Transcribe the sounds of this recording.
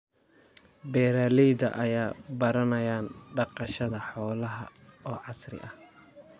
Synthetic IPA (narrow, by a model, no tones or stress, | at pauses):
bɛːɾaːliːd̪ɐ̰ʔɐjaːbɐɾɐnɐjaːnɖɑqɑʃɐðɐħɔːlɐɦɐ̰ɔːʕɑsrɪ̰ʔɐh